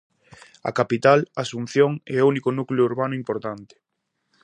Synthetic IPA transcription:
a̰kapit̪alasun̟θjoŋɛounikʊnuklʊuɾβanʊimpoɾt̪ant̪ɪ̥

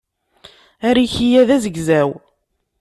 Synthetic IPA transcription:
æɾiçijæðæzəɡzæw

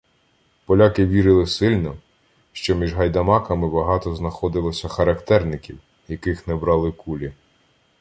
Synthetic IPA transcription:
pɔlʲakɪʋʲiɾɪlˠɪsɪlʲnɔ | ʃt͡ʃɔmʲiʒɦɐjd̪ɐmɑkɐmɪbɐɦɑt̪ɔznɐxɔd̪ɪlˠɔsʲɐxɐɾɐkt̪ɛrnɪkʲiw | jɐkɪxnɛbɾɑlˠɪkulʲi

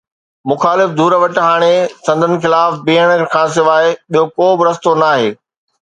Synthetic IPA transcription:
mʊxaːlɪfd̪ʱuːɾəʋɐʈɦaːɽ̃esɐ̃nd̪ʱənɪ̆xɪlaːfbiːəɽ̃kʰãːs̬ɪʋaːeɓiɦokoːbɪɾɐst̪onaːɦḛː

